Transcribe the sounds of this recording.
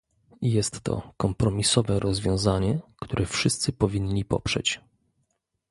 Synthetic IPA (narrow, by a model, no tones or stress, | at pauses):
jɛst̪ːɔ̰kɔmpɾɔmʲisɔvɛɾɔzvʲjɔ̃w̃zaɲɛkt̪uɾʔɛfʂɘst̪sɘpɔvʲiɲlʲipɔ̰pʂɛ̰t͡ɕ